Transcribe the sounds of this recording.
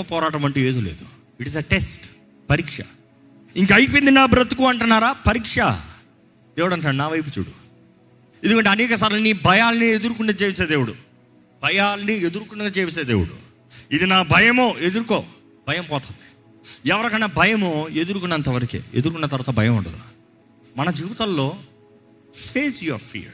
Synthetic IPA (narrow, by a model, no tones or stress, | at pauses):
pɔːɾaːʈɐmɐɳʈueːd̪uleːd̪u | iʈizeʈesʈ | pɐɾiːkʂɐ̰ | iŋkɐːjp̬ind̪inaːbɾɐt̪ukuɐɳʈunːaːɾaːpɐɾiːkʂɐ̰ | d̪̥eːwuɽɐɳʈ̬ːnaːɽunaːʋɐjp̬ut͡ʃṵːɽu | end̪ukɐɳʈ̬eɐnɛːkɐs̬aːɾulɐnibʱɐjaːlɐnie̞d̪uɾukuɳːɖaːt͡ʃeːʋis̬eːd̪eːwuɽu | bʱɐjaːlɐnied̪uɾukuɳːɐat͡ʃeːʋiseːd̪eːwuɽṵ | id̪inaːbʱɐjɐmoːʔe̞d̪uɾukoː | b̥ʱɐjɐmpɔːt̪ɐnd̪i̥ | ɛʋɐɾɐkɐnːɐbʱɐjɐmoe̞d̪uɾukunːɐnt̪ɐʋɐɾɐkḭed̪uɾuk̬unːɐt̪̬ɐɾʋaːt̪ɐbʱɐjɐmɐɳɖɐ̰d̪una̰ː | mɐnɐd͡ʒiːʋit̪ɐlːo̞ː | feːsjɐɾfʰḭɾ